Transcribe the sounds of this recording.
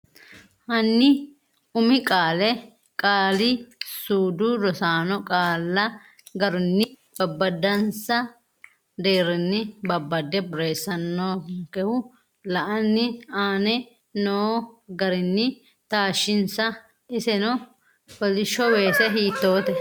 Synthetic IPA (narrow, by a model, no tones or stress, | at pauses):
hɐnːɪ | ʊmɪkʼaːlɛ | kʼaːlɪsuːd̪ʊɾɔsaːnɔkʼaːlːɐ | ɡɐɾʊnːɪ | b̥ɐbːɐd̪ɐnsɐ | d̪eːɾɪnːɪbɐbːɐd̪ːɛbʊɾe̞ːsːɐnːoːkɛhʊ | lɐʔɐnːɪaːnɛ | noːɡɐɾɪnːɪ | t̪aːʃːɪnsɐ | ɪsɛnɔ | bɔlɪʃːɔweːsɛɦiːt̪ːoːt̪ɛ